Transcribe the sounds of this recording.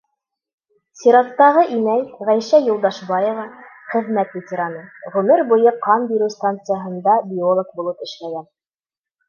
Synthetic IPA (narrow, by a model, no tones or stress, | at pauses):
sʲiɾɑt̪ːɑʁɤʔinæjʁæjʃæjŏlˠd̪ɑʃbɑjɤ̆vɑχɘ̆ðmæt̪vʲɪtʲɪɾanɤʁʉmɘɾbujɤqɑnbiɾʉst̪ant̪sɨjaɦɤ̆nd̪ɑbʲiolˠok̚bulˠɤpɘ̆ʃlæɡæn